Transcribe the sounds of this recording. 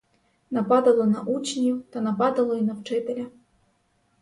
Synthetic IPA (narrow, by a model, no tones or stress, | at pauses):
nɐpad̪ɐlˠɔnɐʔut͡ʃnʲut̪ɐnɐpad̪ɐlˠɔinɐwt͡ʂɪt̪ɛlʲɐ